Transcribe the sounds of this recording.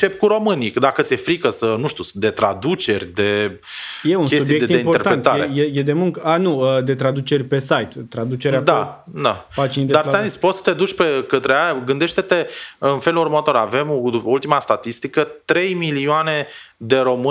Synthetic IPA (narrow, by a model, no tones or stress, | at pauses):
t͡ʃe̞p̚kuɾo̞mɨnid̪akət̪sʲjefɾikəsənuʃt̪usd̪e̞t̪ɾa̰d̪ut͡ʃe̞rʲd̪e̞ | je̞unkesub̪ijeket̪ieipoet̪aɾent̪t̪aɾejejed̪e̞muŋkəanuəd̪e̞t̪ɾad̪ut͡ʃe̞rʲpe̞sajt̪ːɾad̪ut͡ʃeɾad̪a | d̪apat͡ʃinid̪ed̪aɾt̪ʲanispot̪sə̥t̪ed̪ut͡ʃʲpe̞kət̪ɾeaɡɨnd̪eʃt̪e̞t̪e̞ɨnfe̞lurmət̪o̞ɾa̰ve̞moult̪imast̪at̪ist̪ikət̪ɾe̞jmilioane̞ | d̪e̞ɾo̞mɨ